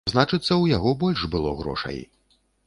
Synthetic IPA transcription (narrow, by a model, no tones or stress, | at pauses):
znat͡ʂɨt̪sːɐwjaɣɔbɔlʲʐbɨlˠɔɣɾɔ̰ʂɐ̰jḭ